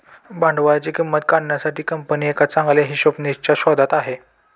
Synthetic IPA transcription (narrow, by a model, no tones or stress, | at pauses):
bãɳɖʋajat͡ɕikimːət̪kaɳːjasaʈiːkəmpəniːekat̪t͡sãŋɡljaɦiːɕopnist͡ɕjaɕɔd̪at̪aɦe